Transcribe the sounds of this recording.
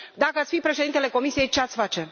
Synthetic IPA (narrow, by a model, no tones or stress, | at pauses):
d̪akəat̪sfipɾe̞ʃeint̪ele̞ko̞misije̞jt͡ʃeat̪sʲfat͡ʃe̞